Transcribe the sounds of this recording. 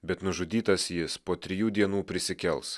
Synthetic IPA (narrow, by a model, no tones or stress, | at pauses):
bʲɛt̪nʊʒʊd̪ʲiːt̪ɐsjɪspoːt̪ʲɾʲɪjuːd̪ʲiɛnuːpʲɾʲɪsʲɪkʲɛlˠs